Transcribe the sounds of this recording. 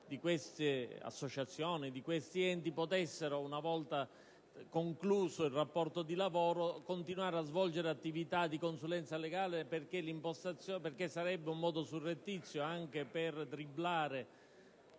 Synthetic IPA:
d̪ikwest̪ea̰sːot͡ʃat̪sːjoːnid̪ikwest̪iɛnt̪ipot̪ɛsːeɾounavɔlt̪a | koŋkluːsoilrapːɔrt̪od̪ilavoːɾokont̪inuaːɾeazvɔld͡ʒeɾeat̪ːivit̪ad̪ikonsulɛnt̪saleɡaːleperk̟elimpost̪at̪sjoperkesːaɾɛbːeumːɔːd̪osurːet̪ːit̪sːjoaŋk̟epert̪ɾiblaːɾe

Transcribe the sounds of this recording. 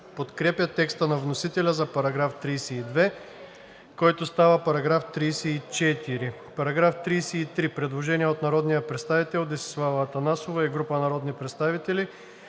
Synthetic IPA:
pot̪kɾɛpjət̪ɛkst̪ənɐvnosit̪ɛlʲɐzɐpɐɾɐɡɾaft̪ɾijsɛid̪vɛ | kɔjt̪ost̪avəpɐɾɐɡɾaft̪ɾijsɛit͡ʃɛt̪iɾi | pɐɾɐɡɾaft̪ɾijsɛit̪ɾipɾɛd̪lˠoʒɛniɛot̪nɐɾɔd̪nijəpɾɛt̪st̪avit̪ɛlˠd̪ɛsi̥slˠavt̪ɐnasovaɛɡɾupənɐɾɔd̪nipɾɛt̪st̪avit̪ɛli

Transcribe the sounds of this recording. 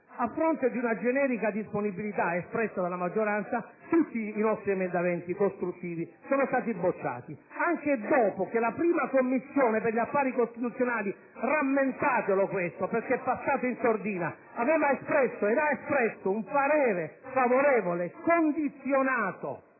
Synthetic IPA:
afːɾont̪ed̪iunad͡ʒɛnɛːɾikad̪isponibilit̪aespɾɛsːad̪alːamad͡ʒːoɾant̪sat̪ut̪ːiːnɔst̪ɾiɛmend̪amɛnt̪ikost̪ɾut̪ːiːvisoːnost̪aːt̪̬ibot͡ʃːa̰ːt̪iaŋk̟ed̪ɔːpok̟elapɾiːmakomːisːjoːneperʎapːaːɾikost̪it̪ut̪sjonaːli | ramːent̪aːt̪elokwest̪operk̟ːepːasːaːt̪oinsord̪iːna | avɛːvaespɾɛsːoed̪aespɾɛsːouɱpaɾɛːɾefavoɾɛːvolekond̪it̪sːjonaːt̪o̰

